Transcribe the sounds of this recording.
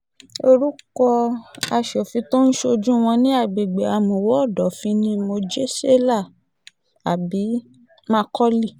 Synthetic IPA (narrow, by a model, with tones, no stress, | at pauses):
o˧ɾu˦kɔ˧a˧ʃɔ˨fĩ˧to˦n̩˦ʃo˧d͡ʒũ˦w̃ɔ̃˧nĩ˦a˦˨ɡ͡be˨ɡ͡be˨a˧˨mõ˨wɔ˦˨dɔ˨˦fĩ˧nĩ˦mo˧d͡ʒe˦se˦la˦˨ | a˨bi˨˦ | mã˦kɔ˦li˦˨